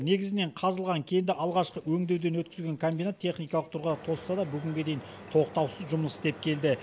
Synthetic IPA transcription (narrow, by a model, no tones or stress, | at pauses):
ne̞ɡʲɪzɪne̞ɴqʰɑzəlˠʁɑŋkʲʰe̞jɪnd̪ɪʔɑlˠʁɑʃqəwɵŋd̪e̞wd̪e̞nwɵt̪̚kʲɪzɡʲe̞ŋkʰombinat̪ʰːe̞χnijkɑlˠəqt̪ʰʊɾʁəd̪ɑt̪ʰo̞ssɑd̪ɑbʏɡʲɪŋɡʲe̞d̪e̞jɪn | t̪ʰo̞qt̪ɑwsəzʒʊməst̪e̞p̚kʲʰe̞ld̪ɪ